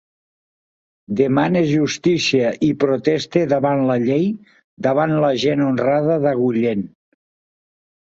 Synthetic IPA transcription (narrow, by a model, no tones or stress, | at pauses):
d̪emaneʒust̪isiəʔipɾot̪ɛst̪eðəβanləʎej | d̪əβ̞anləʒenonraðəðəɣuʎen